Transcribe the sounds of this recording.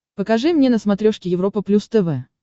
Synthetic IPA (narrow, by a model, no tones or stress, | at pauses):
pəkɐʐɨmnʲenəsmɐt̪ɾʲoʂkʲɪjɪvɾo̞pəplʲust̪ɛvɛ